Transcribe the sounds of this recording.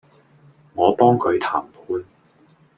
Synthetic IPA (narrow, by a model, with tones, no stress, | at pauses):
ŋɔː˨˧pɔː˥ŋkʰɵ˨˧ɥt̪ʰaː˨˩mpʰuː˥n